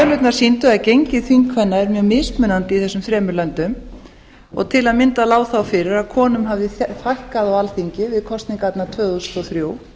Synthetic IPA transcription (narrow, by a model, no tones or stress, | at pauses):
ɛlʏt̪naɾ̥sint̪ʏacejɲcɪðθiŋkʰvɛnːaɛɾmjœːɣmɪðspmʏnant̪iθɛsʏmfɾɛːmʏɾlœnt̪ʏm | ɔ̰ɣt̪ʰɪlaðmɪnt̪alaːwθawfɪɾɪɾakʰɔːnʏmɦavðɪfajhkaðawalθiɲcɪvɪðkʰɔst̪niŋkat̪nat̪ʰvœːðust̪ɔθɾjoːw